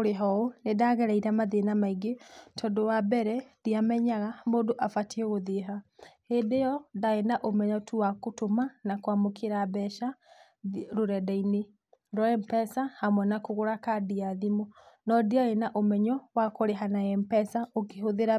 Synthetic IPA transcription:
oɾeɦɔonedaɣɛɾaiɾamaðenamaiɡetʰɔdowabɛɾɛðiamɛɲaɣamoːndoʔafatiɛɣoðeɦahedejɔdaenaʔomɛɲɔtuwakotomanakwamokʰeɾabɛʃa | ɾoɾɛdaine | ɾɔɛmpɛsahamwɛnakoɣoɾakadiaðimɔnɔdiaenaʔomɛɲɔwakoɾeɦanaɛmpɛsaokeɦoðeɾa

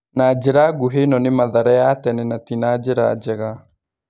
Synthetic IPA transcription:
naːd͡ʒeɾaɡuɦenɔnɪmaðaɾajatɛnɛnatinaːd͡ʒeɾa̰d͡ʒɛɣa

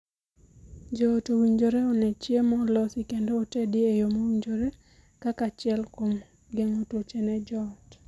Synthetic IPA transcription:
d͡ʒɔtowiɲd͡ʒoɾeɔnɛt͡ʃjemɔlɔsikendoːtedɪejomowiɲd͡ʒoɾe | kakat͡ʃɪɛlkom | ɡeŋotot͡ʃenɛd͡ʒɔt

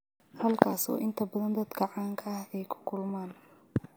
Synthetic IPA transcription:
hɐlkʰaːsɔ̰ːʔɪnt̪ʰɐbɐðɐnd̪ɐd̪ɡɑʕɑːŋkʰɐɐhɛjkʰʊ̥kʰʊlmaːn

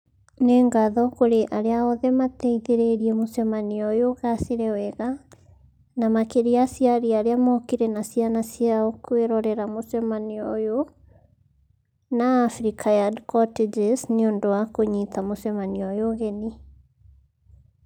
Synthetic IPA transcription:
neŋɡaðɔkoɾeʔaɾeaɔðɛmat̪ɛiðeɾeɾiɛmosɛmaniɔjoɣaseɾɛwɛɣa | namakeɾiasiaɾiaɾeamɔkiɾɛnasjanasjaɔkweɾɔɾɛɾamosɛmaniɔjo | naːfɾikʰajadkɔted͡ʒesneondowakoɲitamosɛmaniɔjoɣɛni

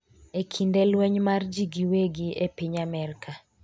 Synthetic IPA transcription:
ekʰindelwɛɲmard͡ʒiɡiweɡiepiɲamɛrkʰa

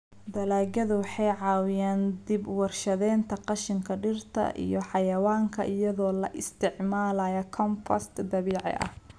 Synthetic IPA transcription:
d̪ɐlaːɡɐðʊwɑħɑjʕɑːwɪjaːnd̪ibwɑrʃɐðɛːnt̪ʰɐqɑʃɪŋkʰɐɖɪrt̪ʰɐ̰ʔḭjɞħɑjɐwaːŋkʰɐ̰ʔɪjɐðɔːlɐ̰ʔɪst̪ʰɪʕmaːlɐjɐkʰɔmpʰɐ̰st̪d̪ɐβiːʕɪ̰ʔɐ̰h

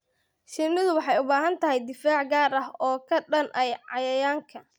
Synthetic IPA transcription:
ʃɪmɪðʊwɑħɑjʊbaːɦɐnt̪ʰɐɦɛjd̪ɪfaːʕɡaːɾɐɦɔːkʰɐɖɐnʔɐjʕɑjɐjaːŋkʰɐ

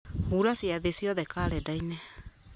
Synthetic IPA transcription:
huɾasiaðesiɔðɛkaːɾɛdainɛ

